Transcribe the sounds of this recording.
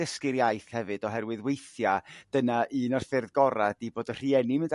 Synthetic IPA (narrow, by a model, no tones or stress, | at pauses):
əskɪɾjajθhɛvɨd̥ɔɦɛrwɨðwejθjad̥ənaʔɨnarfɪrðɡɔɾad̥iboːdər̥iɛnimɪnd